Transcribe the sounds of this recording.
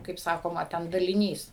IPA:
kɐɪp ˈsɑːkoːmɐ ˈtʲɛn dɐlʲɪˈnʲiːs

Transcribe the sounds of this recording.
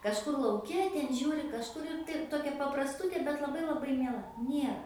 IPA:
kɐʃˈkʊr lˠɐʊˈkʲɛ tʲɛn ˈʒʲuːrʲɪ kɐʃˈkʊr ɪr tɐɪ ˈtoːkʲɛ pɐprɐsˈtʊtʲeː bʲɛt lˠɐˈbɐɪ lˠɐˈbɐɪ mʲiɛˈlˠɐ ˈnʲiɛrɐ

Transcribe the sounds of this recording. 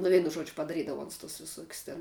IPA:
nʊ ˈʋʲɛɪnʊ ˈʒuɔd͡ʒʲʊ pɐdɐˈrʲiːdɐʋoː ˈʊns tʊs ʋʲɪˈsuɔkʲʊs tʲɛn

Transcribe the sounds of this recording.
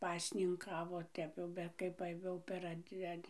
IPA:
ˈpɑːsʲnʲɪŋˌkɑːʋoː ˈtʲɛp jɛʊ ˈbʲɛt kɐɪ ˈʋɐ jɛʊ pʲɛr ˈɐtʲ ˈɐtʲ

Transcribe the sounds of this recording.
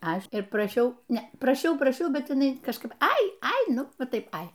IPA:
ˈɐʃ ɪr prɐˈʃʲɛʊ ˈnʲɛ prɐˈʃʲɛʊ prɐˈʃʲɛʊ ˈbʲɛt jɪˈnɐɪ kɐʃˈkɐɪp ˈɐɪ ɐɪ ˈnʊ ˈʋɐ ˈtɐɪp ˈɐɪ

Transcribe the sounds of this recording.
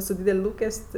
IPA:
sʊ ˈdʲiːdʲɛlʲ ˈlˠuːkʲɛsʲtʲ

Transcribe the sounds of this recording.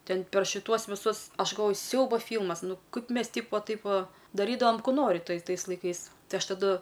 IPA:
ˈtʲɛn pʲɛr ʃʲɪˈtuɔs ʋʲɪˈsʊs ˈɐʃ ɡɐlˠˈʋoːjʊ ˈsʲɛʊbɐ ˈfʲiːlˠmɐs ˈnʊ ˈkɐɪp ˈmʲɛs ˈtʲiːp ʋɐ ˈtɐɪp ˈʋɐ dɐˈrʲiːdɐʋɐm ˈkuː ˈnoːrʲɪ ˈtɐɪ ˈtɐɪs lˠɐɪˈkɐɪs ˈtɐɪ ˈɐʃ tɐˈdʊ

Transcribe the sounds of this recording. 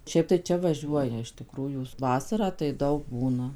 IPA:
ˈʃʲɛɪp tɐɪ ˈt͡ʃʲɛ ʋɐˈʒʲuɔjɛ ɪʃ tʲɪˈkruːjuː ˈʋɑːsɐrɑː tɐɪ ˈdɐʊk ˈbuːnɐ

